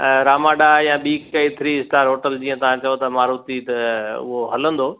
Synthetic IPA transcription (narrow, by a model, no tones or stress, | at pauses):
ɾaːmaːɖajãɓiːkɐit̪ʰɾiɪsʈaːɾɦoːʈəld͡ʑiːə̃t̪ɐʋ̤ãt͡ɕɐjot̪ɐmaːɾut̪it̪ɐʊ̰ɦoɦɐlə̃nd̪oː